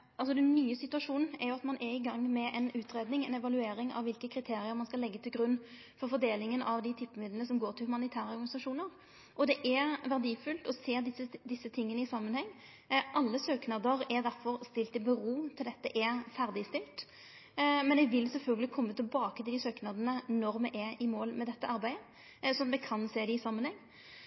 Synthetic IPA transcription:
ɑls̬ɔd̪ɛnːyːəsɪt̪ʉɑʂuːnn̩ɛɾjʊɑt̪mɑnʔɛɾɪɡɑŋːmɛʔɛnʉːt̪ɾeːd̪nɪŋɛnɛʋɑlʉeːɾɪŋɑ̰ʋɪlkəkʰɾɪt̪ʰeːɾɪəɾmɑnskɑlːɛɡːət̪ʰɪlɡɾʉnː | fɔɾfɔɾd̪eːlɪŋənɑʋd̪ɪt̪ʰɪpːmɪd̪lənəsɔmɡoːʁʈ̪ʰɪlhʉmɑnɪt̪ʰæːɾəɔɾɡɑnɪsɑʂuːnəɾ | ʔɔd̪ɛʔɛɾʋæɾd̪iːfʉlt̪ɔseːd̪ɪsːəd̪ɪsːət̪ʰɪŋːənəɪsɑmːənhɛŋː | ʔɑlːəsøːknɑd̪əɾɛɾd̪æɾfɔɾst̪ɪlt̪ɪlbəʁuːt̪ʰɪld̪ɛt̪ːəʔɛɾfæɾd̪ɪst̪ɪlt̪ | mɛnɛɡʋɪlːsɛlfœlɡəlɪkʰɔmːət̪ɪlbɑːkət̪ʰɪld̪ɪsøːknɑd̪ənənɔɾmɛʔɛɪmoːlmɛd̪ɛt̪ːəɑɾbæɪə | sɔɑt̪mɛkʰɑnseːd̪ɪɪsɑmːənhɛŋː

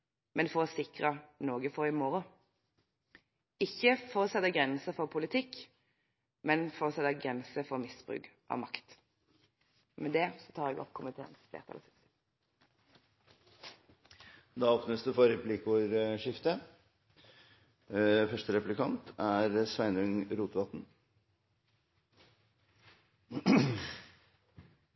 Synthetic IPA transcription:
mɛnfɔʁɔsɪkʁənoːɡəfɔːʁɪmoɾʊ | ɪçːəfɔʁɔsɛt̪əɡʁɛnsəfɔʁpʰʊlɪt̪ʰɪkː | mɛnfɔʁɔsɛt̪əɡʁɛnsəfɔʁmɪsb̥ʁʉ̰ːkʔɑ̰ʋmɑkt̪ | mɛd̪ɛsɔt̪ʰɑːʁɛːɡɔ̰pːkʰʊmət̪ʰḛːə̰nsflḛːʁt̪ʰɑ̰ɔ̰sɪt̪ | d̪ɑːoːpnəsd̪ʉfɔɾɛpʰlikʊɾʂɪft̪ə | fœʂʈəɾɛplɪkʰɑnt̪æɾsʋæɪnʉŋɾuːt̪ʋɑt̪n̩

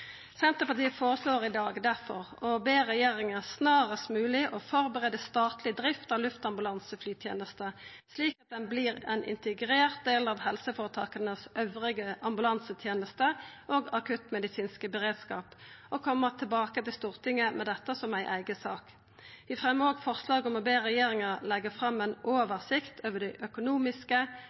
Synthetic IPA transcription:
sɛnt̪əpɑʁt̪iːəfoːʁəsloːʁɪd̪ɑːɡd̪æʁfɔʁɔbeːʁɛjeːʁɪŋəsnɑːʁəst̪mʉːlɪʔɔfɔʁbəʁeːd̪əst̪ɑːt̪lɪd̪ʁɪft̪ɑʋlʉft̪ɑmbʉlɑnsəflyːt̪ʰjḛːnəst̪ə | sliːkɑt̪̚d̪ɛnblɪːʁɛ̰nʔɪ̰nt̪əɡʁeːʁt̪̚d̪eːlɑʋhɛlsəfoːʁət̪ʰɑːkənəsœʋʁɪɡəʔɑmbʉlɑnsət̪ʰjeːnəst̪əʔoːɡɑkʰʉt̪mɛd̪ɪsiːnskəbəʁeːd̪skɑ̰ːpɔkʰɔmːəʁt̪ʰɪlbɑːkət̪ɪlst̪uːʁt̪ʰɪŋːəmʔɛd̪ɛt̪ːəsɔmæɪʔæɪɡəsɑːk | ʋɪfʁɛmːəoːɡfɔʁslɑːɡɔmɔbeːʁɛjeːʁɪŋəʁlɛɡəfʁɑmːɛnoːʋəʁsɪkt̪ʰøːʋəɖ̪ɛʔœkʊnuːmɪskə

